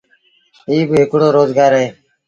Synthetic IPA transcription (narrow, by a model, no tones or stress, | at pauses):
iːbekuɽoːɾoːzɡaːɾe